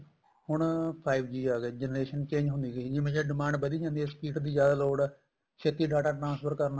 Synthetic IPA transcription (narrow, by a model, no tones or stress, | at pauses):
hʊɳpʰaːibd͡ʒiːaːɡɛːd͡ʒɛnɾeːʃənt͡ʃẽːɲd͡ʒɦʊ̃nd̪iːɡd͡ʒiːmẽʃɛɖɪmãːɳɖbəd̪iːd͡ʒãːnd̪ispiːʈd̪iːd͡ʒjaːd̪aːloːɽ | ʃʰet̪iːɖaːʈaːʈɾãːnspʰəɾkəɾna